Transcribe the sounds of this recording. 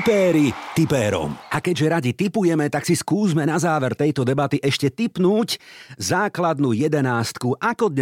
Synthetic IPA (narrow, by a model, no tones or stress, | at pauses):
pɛːɾit̪ipɛːɾɔ̰mʔakɛɟʒɛɾaɟit̪ipujɛmɛt̪aksiskuːzmɛnazaːʋɛɾt̪ɛjt̪ɔd̪ɛbat̪iʔɛʃcɛt̪ipnuːczaːklad̪nujɛd̪ɛnaːst̪kuʔakɔd̪ɲ